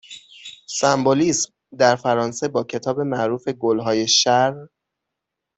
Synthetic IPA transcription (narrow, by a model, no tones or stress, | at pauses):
sæmboliːsm | d̪æɾfæɾɒːnse̞bɒːcʰe̞t̪ʰɒːbe̞mæʔɾuːfe̞ɡolɦɒːje̞ʃæɾ